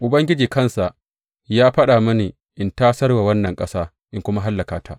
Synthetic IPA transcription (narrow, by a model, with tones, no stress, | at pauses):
ʔʊ˨bɐ˦ŋɡʲɪ˦d͡ʒiː˨kɐ˦nsa˨ʔ | jaː˦ɸɐ˦ɗaː˨mɐ˦niː˨ | ʔɪ˨ntaː˦sɐ˦rwa˨wɐ˦nːɐ˨ŋkʼɐ˦saː˦ | ʔɪ˦ŋkʷʊ˦ma˦ɦa˦lːɐ˨kaː˨tʰa˦ʔ